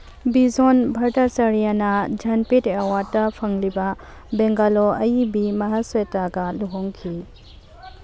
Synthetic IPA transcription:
bizonbʱɐɾtasɐɾijanɐd͡ʒɐnpitewatːɐpʰɐŋlibɐ | beŋɡaloʔɐjibimɐɦaswetaɡɐluɦɔŋkʰi

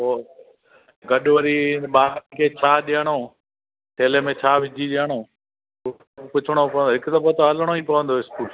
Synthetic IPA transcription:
oː | ɡɐɗʋəɾiɓaːkʰeːt͡ɕʰaːɗijəɽ̃oː | ʈʰeːlemẽt͡ɕʰaːʋɪd͡ʑʱiɗiəɽ̃oː | pʊt͡ʃʰɪɽ̃opɐʋənd̪oɦɪksɐbət̪oɦɐləɽ̃oĩːpɐʋə̃nd̪oɪskuːl

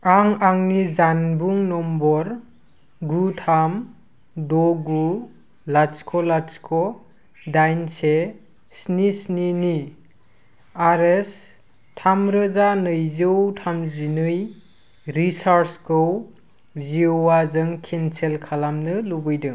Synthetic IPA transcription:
aŋaŋnizanbuŋnɔmbɔɾ | ɡutʰam | dɔɡu | laskʰɔlaskʰɔ | dajnse | snisnini | aɾes | tʰamɾɯzanɯjzɯwtʰamzinɯj | ɾisaɾskɯw | ziowazɯŋkʰinselkʰalamnɯlubɯjdɯŋ

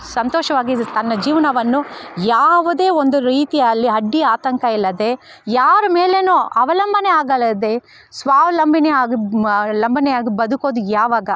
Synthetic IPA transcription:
sɐnt̪oːʃɐʋaːɡit̪ɐnːɐd͡ʒiːʋɐnɐʋɐnːujaːʋud̪e̞ːond̪uɾiːt̪ijɐlːiɐɖːiaːt̪ɐŋkɐilːɐd̪e̞ | jaːɾɐme̞ːlenuɐʋɐlɐmbʱɐneaːɡɐlɐd̪e̞ | sʋaːʋɐlɐmbʱineaːɡilɐmbʱɐnejaːɡibɐd̪uko̞ːd̪ujaːʋaːɡɐ

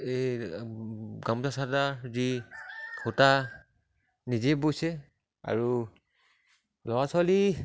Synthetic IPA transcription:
e | ɡamzasadazi | kʰuta | nizebojsɛ | a̰ɹu | lɔwasali

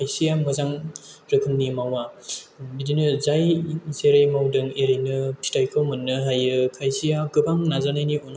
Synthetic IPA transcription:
kʰajsijamɯzaŋ | ɾɯkʰɯnːimawa | bidinɯzajseɾajmawdɯŋeɾinɯpʰi̥tʰajkʰɯmɯnːɯɦajɯkʰajsijakɯbaŋnazanajniɔn

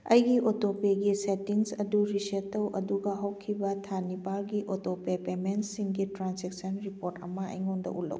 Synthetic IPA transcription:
ɐjɡiʔotopeɡisetiŋsɐduɾisetːɐwʔɐ̰duɡɐɦɐwkʰibɐtʰanipalɡiʔotopepemensiŋɡitɾanseksɐnɾipoɾtɐmɐɐ̰jŋondɐ̰ʔṵlɐ̰w

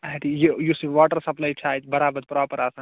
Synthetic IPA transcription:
ɐʈijejusiʋaːʈəɾsɐplaːjt͡ʃʰaːt̪bɐɾaːbɐd̪pɾaːpəɾasãː

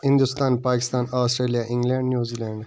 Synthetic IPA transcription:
hind̪ust̪ʰanpʰaːkʰʲi̥st̪ʰanawst̪ɾalʲijaʔiŋɡlʲannjuzilʲand̪

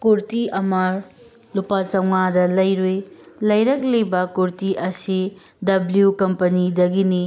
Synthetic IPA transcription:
kuɾtiɐmɐ | lupat͡ʃɐwŋadɐlɐjɾujlɐjɾɐk̚lebɐkuɾtiʔɐsi | dɐbljukɐmpɐnidɐɡini

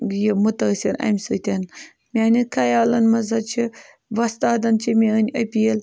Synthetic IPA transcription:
jimut̪ɐsʲiɾɐ̰mʲsɨt̪ʲɐn | mʲaːnikɐjaːlɐnmɐzɐt͡ʃʰi | ʋɐst̪aːd̪ɐnt͡ʃʰimʲeənʲɐpʲiel

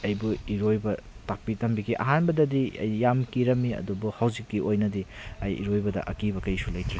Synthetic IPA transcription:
ɐjbuiɾojbɐtak̚pitɐmbiɡiʔɐ̰ɦanbɐdɐdiɐ̰jːamkiɾɐmːiɐ̰dubuhɐwzikːiojnɐdiɐjḭɾojbɐdɐ̰ʔɐkibɐkɐjsulɐjtʰɾe

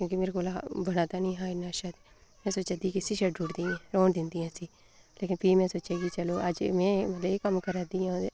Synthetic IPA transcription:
kjõːkimeːɾekoːlaːbəɽaːt̪aːnĩːɦãːɪnːaːʃad̪ | mɛ̃ːsoːt͡ʃaːd̪iːkɪsiːʃəɖd͡ʒʊɽd̪iːɛ̃ːɾoːɳd̪ɪnd̪iːãːsiː | leːkɪnpʰiːmɛ̃ːsoːt͡ʃeːɡiːt͡ʃəloːʔəd͡ʒmɛ̃ːmət̪ləbekəmkəɾaːd̪iːãː

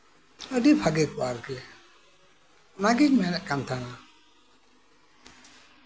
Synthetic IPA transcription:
ədipʰaɡɛkuaɾkɛ | naɡimɛnɛʔkant̪ʰana

